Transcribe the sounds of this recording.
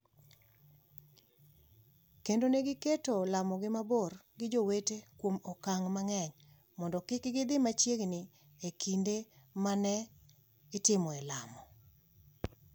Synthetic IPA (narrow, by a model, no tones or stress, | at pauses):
kendoneɡɪketolamɔɡɪmabɔrɡɪd͡ʒowetekwomɔkaŋmaŋɛɲ | mɔndɔkɪkɡɪd̪ɪmat͡ʃjeɡnɪ | ekʰindemanɛ | ɪtɪmɔɛlamɔ